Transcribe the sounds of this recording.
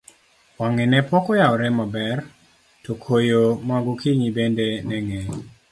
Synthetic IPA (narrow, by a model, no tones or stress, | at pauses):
waŋɛnɛpɔkɔjaɔɾɛmabɛr | tɔkʰojomaɡɔkiɲibendenɛŋɛ